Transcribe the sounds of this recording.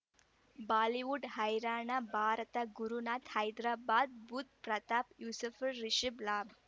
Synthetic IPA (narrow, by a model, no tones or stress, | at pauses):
baːliʋuɖhajɾaːɳabʱaːɾt̪aɡuɾunat̪hajd̪ɾaːbad̪̚bʱut̪̚pɾɐt̪apjusufəɾːiɕiblab